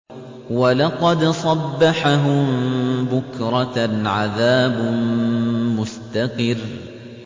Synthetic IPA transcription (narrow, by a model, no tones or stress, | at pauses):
walɑqɑd̪sˤɑbːaħaɦʊmbʊkɾˤɑʕaðaːb | mʊst̪aqɨr